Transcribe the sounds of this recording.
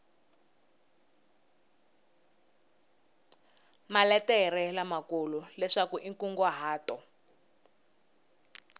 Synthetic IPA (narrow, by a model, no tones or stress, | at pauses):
malɛtɛɾɛlamakululɛʂakuʔiŋkuŋɡwaɦaːtɔ